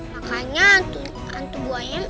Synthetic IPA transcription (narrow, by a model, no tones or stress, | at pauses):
makaɲant̪u | ant̪ubuaja